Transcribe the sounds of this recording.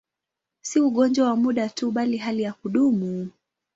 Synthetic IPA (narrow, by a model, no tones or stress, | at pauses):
siuɠɔnd͡ʒwawamuɗatuɓaliɦalijakuɗumu